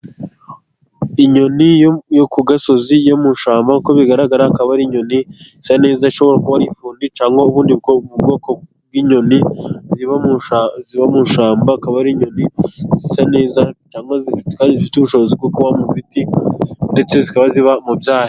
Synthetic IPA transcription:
iɲo̞nijokuɡaso̞zijomuʃaːmbako̞βiɡaɾaɡaɾakaβaɾiɲo̞nizisane̞ːzaiʃo̞βo̞ɾakuβaɾifuːndit͡ʃaːŋɡo̞uβuːndibɡoβubɡo̞ːko | bwiːɲo̞niziβauziβamunʃaːmbakaβaɾiɲo̞nizisane̞ːzat͡ʃaːŋɡozikaːndizifituβuʃo̞βozib̚ɡokuβamuvitinde̞t͡se̞zikaβaziβamubjaːha

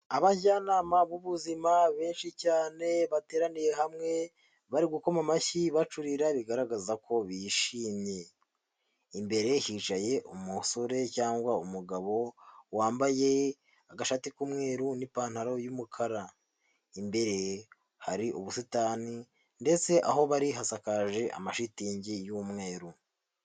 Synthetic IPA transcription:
aβajaːnaːmaβuβuzimaβe̞ːnʃicaːne̞βate̞ːɾanije̞ɦamŋe̞ | βaɾiɡuko̞mamaçiβat͡ʃuɾiɾaβiɡaɾaɡazako̞βiʃiːmɲe̞ | imbe̞ɾe̞hit͡ʃaje̞ʔumuso̞ɾe̞caːŋɡwaumuɡaβo̞waːmbaje̞ | aɡaʃatikumŋe̞ːɾunipaːn̥haɾo̞jumukʰaɾa | imbe̞ɾe̞ | haɾiʔuβusitaːni | nde̞t͡se̞ʔa̰ɦo̞βaɾiɦasakaʒe̞ʔa̰maʃitiːɲɟijumŋe̞ːɾu

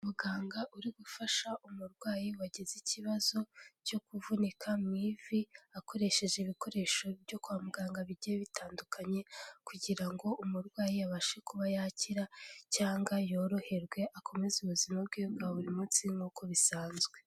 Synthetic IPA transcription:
umuɡaːŋɡaʔuɾiɡufaʃaʔumuɾɡwaːjiwaɟezicʰiβazo̞ɟo̞kuvunikʰamiviako̞ɾe̞ʃe̞ʒeβiko̞ɾe̞ːʃo̞bɟo̞kwamuɡaːŋɡaβiɟieβitʰaːndukʰaɲe̞kuɟiɾaŋɡo̞ʔumuɾɡwaːjijaβaʃe̞kuβajaciɾacaːŋɡajo̞ːɾo̞he̞ɾɡwe̞ʔakʰo̞me̞zuβuzimab̚ɡeːbɡaβuɾimut͡siŋɡuko̞βisaːnzɡwe̞

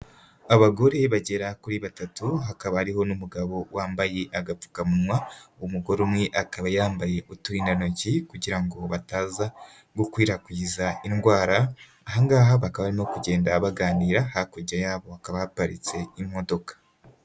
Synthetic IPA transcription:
aβaɡo̞ɾe̞βaɟe̞ɾakuɾiβatatuɦakaβahaɾiɦo̞numuɡaβo̞waːmbaje̞ʔaɡap͡fu̥kamumwaumuɡo̞ɾumŋe̞ʔakaβajaːmbaje̞ʔutuɾiːndanocikuɟiɾaŋɡo̞βataːza | ɡokwiːɾakwiːzainɡwaːɾaː | ɦaŋɡaːɦaβakaβaɾimokuɟe̞ːndaβaɡaːniːɾahakoɟajaːβo̞akaβahapaɾḭt͡se̞imo̞do̞kḁ

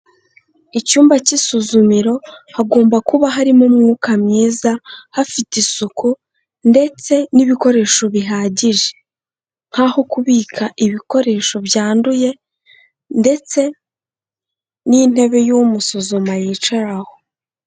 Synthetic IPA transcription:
icuːmbacisuzumiɾo̞haɡo̞ːmbakuβaɦaɾimumŋuːkamɲiːzahafitisuku | nde̞t͡se̞niβiko̞ɾe̞ːʃo̞βiɦaːɟiʒe̥ | ŋ̥haho̞kuβiːkʰaʔiβiko̞ɾe̞ːʃo̞bjaːnduje̞ | nde̞t͡se̞ | nin̥e̞βe̞jumusuzumajiːt͡ʃaɾaho̞

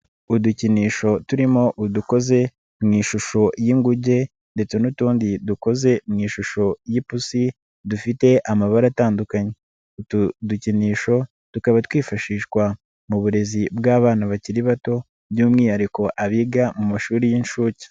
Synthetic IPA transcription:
uduciniːʃo̞tuɾimo̞ʔuduko̞ze̞ | mŋiːʃuʃo̞jiŋɡuɟe̞ | nde̞t͡se̞nutuːndiduko̞ze̞mŋiːʃuʃo̞jipusi | dufite̞ʔamaβaɾataːndukaɲe̞ | utuduciniːʃo̞ | tukaβatwiːfaʃiːʃkwa | muβuɾe̞zibɡaːβaːnaβaciɾiβato̞ | bjuːmŋiːhaɾiko̞ʔaβiːɡamumaʃuːɾijinʃuːci̥

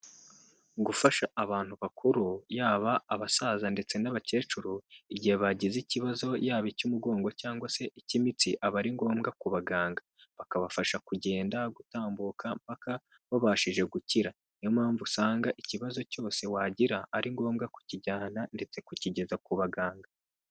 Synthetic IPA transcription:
ɡufaʃaaβaːn̥huβakʰuɾujaːβaːβasaːzande̞t͡se̞naβace̞ːt͡ʃuɾuiɟihe̞βaɟiziciβazo̞jaːβicumuɡo̞ːŋɡo̞caːŋɡwase̞ʔicimit͡siʔaβaɾiŋɡo̞ːmɡakuβaɡaːŋɡa | βakaβafaʃakuɟe̞ːndaɡutaːmbukʰam̥paka | βoβaːʃiʒe̞ɡuciɾa | nijomhaːɱvusaːŋɡaʔiciβazo̞co̞ːse̞waːɟiɾaːɾiŋɡo̞ːmɡaku̥ciɟaːnande̞t͡se̞kuciɟe̞zakuβaɡaːŋɡa

